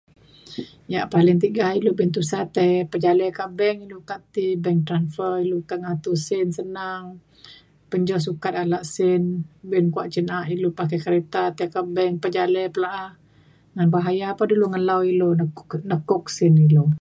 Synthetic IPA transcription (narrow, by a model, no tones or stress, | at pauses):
jaʔpalɪŋt̪̬iɡahilubɪnt̪usat̪ɛjpəd͡ʒalɛkabɛŋilukat̪ibɛŋt̪ɾanfərilukaʔŋat̪usɪnsənaŋ | pəɲd͡ʒɔs̬ukat̪̚alaʔsɪnbɪnkuaʔt͡ʃənaʔilupakakaɾet̪at̪ɛkabɛŋpəd͡ʒalɛpəlaʔah | ŋanbaɦajapaduluŋəlawilonnəkʊk̚sɪnilo